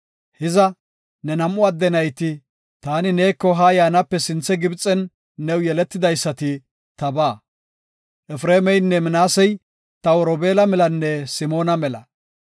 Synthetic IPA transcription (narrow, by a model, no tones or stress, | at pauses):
hɪzɐ | nɛnɐmʔʊɐd̪ːɛnɐjt̪ɪ | t̪aːnɪneːkːɔɦajaːnɐpːɛsɪnt͡sːɛɡɪbt͡sʼːɛnː | ɛwjɛlɛt̪ːɪd̪ɐjsːɐt̪ɪ | t̪ɐbaː | ʔɛfɾeːmɛjnːɛmɪnaːsɛj | t̪ɐwɔɾɔbeːlɐmɛlɐnːɛsɪmo̞ːnɐmɛlɐ